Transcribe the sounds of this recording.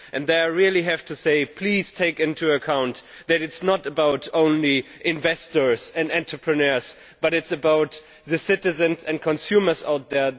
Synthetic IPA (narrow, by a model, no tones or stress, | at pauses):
ʔɨ̃nðeɪaɹilˠiɦæftʰuseɪpʰl̥iz̥tʰeɪkɪ̃ntʰuɨkʰãʊ̃n | ðɨɾɨtsnəɾəbaʊɾõʊ̃nliʔɪ̃ɱvɛstə˞zɨ̃ndɛ̃ntɹ̥əpʰɹɨnɜ˞z̥ | b̥ʌɾɨtsɨbaʊt̪ | ðɨsɪɾɨzɨ̃nzɨ̃nkʰɔ̃nsjʉmə˞za̰ʊt̪̚ðə˞